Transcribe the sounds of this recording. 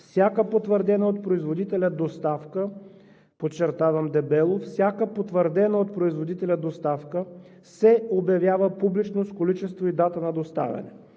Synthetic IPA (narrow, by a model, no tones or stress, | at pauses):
fsʲjakəpot̪vəɾd̪ɛnəot̪̚pɾoizvod̪it̪ɛlʲɐd̪ost̪afkə | pot͡ʃːɛɾt̪avɐmd̪ɛbɛlˠofsʲjakəpot̪vəɾd̪ɛnəot̪̚pɾoizvod̪it̪ɛlʲɐd̪ost̪afkə | sɛobjɐvjavəpublit͡ʃnoskolit͡ʃɛst̪void̪at̪ənɐd̪ost̪a̰vʲɐ̰nɛ̰